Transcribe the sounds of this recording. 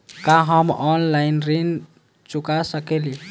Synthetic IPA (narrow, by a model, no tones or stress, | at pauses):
kaɦɔmɔnlajnrin | t͡ʃukasakeli